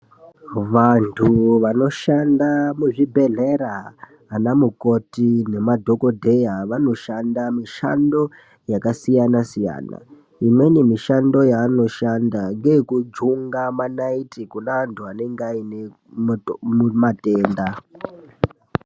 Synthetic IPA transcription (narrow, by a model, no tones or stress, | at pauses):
ʋantʰuʋano̞ʃandamuʐibʱe̞ɮe̞ɾaː | namuko̞tine̞madʱo̞ko̞dʱe̞jaʋano̞ʃandamiʃa̰ndo̞ | jakasijanasija̰ːna̰ | imwe̞nemiʃando̞jaːno̞ʃandaŋɡekud͡ʒuŋɡamanaitikunaʋantʰuane̞ŋɡaine | mumateːnda